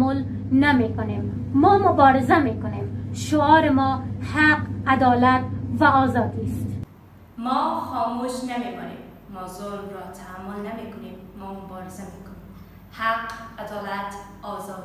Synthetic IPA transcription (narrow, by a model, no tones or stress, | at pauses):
ʊl | namekʊnemː | ɔːmʊbɒɾɪzamekʊnemʃʊɒːɾɪmɔːhaqad̪ɒːlat̪vaɔːzɒːd̪ist̪ | mɔxɔmuʃnamemɔnemː | ɔzoɾmɾɔt̪ʰahamːʊlnamekʊnemːɔːmʊbɔɾɪzamekʊnem | haqad̪ɔlat̪ | ɔzɔd̪